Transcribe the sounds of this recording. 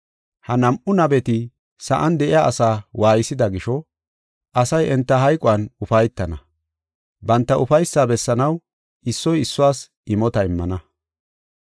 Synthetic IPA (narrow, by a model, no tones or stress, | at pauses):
hɐnɐmʔʊnɐbɛt̪ɪ | sɐ̰ʔɐnd̪ɛʔɪjaːsaːwʔaːjɪsɪd̪ɐɡɪʃɔ | ʔɐsɐjɛnt̪ːɐɦɐjkʼɔwɐnʊfɐjt̪ːɐnɐ | bɐnt̪ːɐʔʊfɐjsːaːbɛsːɐnɐw | ʔɪsːɔjɪsːʊwaːs | ʔɪmɔt̪ɐɪmːɐnɐ